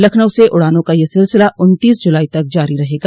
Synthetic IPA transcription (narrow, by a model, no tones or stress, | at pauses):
lɐkʰnəwseʔʊɽaːnõkajesɪlsɪlaʊnt̪iːsd͡ʒʊlaːit̪ɐk̚d͡ʒaːɾiɾɐɦeːɡaː